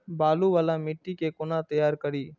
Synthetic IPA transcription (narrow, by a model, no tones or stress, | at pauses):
baːluːʋaːlãːmɪʈːiːkeːkʊnãːt̪əjaːɾkəɾiː